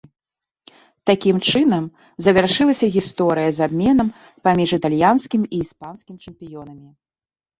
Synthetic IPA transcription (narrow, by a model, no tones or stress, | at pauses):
t̪akʲimt͡ʂɨnɐm | zɐvʲarʂɨlˠɐsʲɐɣʲist̪ɔɾɨjɐzabʲmʲɛnɐm | pamʲiʐɨt̪alʲjanskʲimiːspanskʲimt͡ʂɐmpʲijɔnɐmʲi